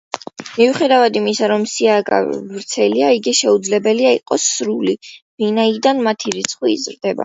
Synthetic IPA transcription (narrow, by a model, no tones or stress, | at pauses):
miuχɛd̪avad̪imisaɾɔmsiaɡa̰vɾt̪sʰɛliaiɡiʃɛud̪zlɛbɛliaiqʼɔsɾuli | vinaid̪anmat̪ʰiɾit̪sʰχwiːzɾd̪ɛba̰